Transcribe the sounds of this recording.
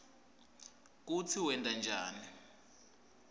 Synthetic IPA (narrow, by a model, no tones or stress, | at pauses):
k̬ut͡sʰiwɛndʼʱand͡ʒʱaːni